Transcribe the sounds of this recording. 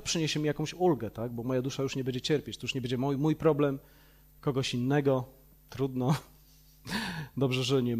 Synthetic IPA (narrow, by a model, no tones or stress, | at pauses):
pʂɘɲeɕɛmʲijakɔ̃w̃ɕulɡɛt̪aɡ̚bɔmɔjad̪uʂajuʂɲɛbɛɲd͡ʑɛt͡ɕɛɾpʲjet͡ɕt̪ɔjuʂɲɛbɛɲd͡ʑɛmujmujpɾɔblɛm | kɔɡɔɕinːɛɡɔ | t̪ɾud̪nɔ | d̪ɔbʐɛʐɘɲɛ